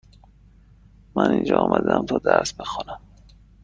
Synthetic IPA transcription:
mænind͡ʒɒːɒːmʔæd̪eæmt̪ʰɒːd̪æɾsbexɒnæm

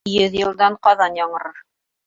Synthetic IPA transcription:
jɵðjɤ̆lˠd̪ɑɴqɑðɑnjɑɴɤ̆ɾɤɾ

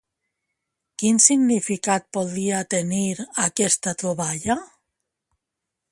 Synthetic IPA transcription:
kinsiɡnifikat̪̚poðɾiat̪eniɾakest̪at̪ɾoβaʎa

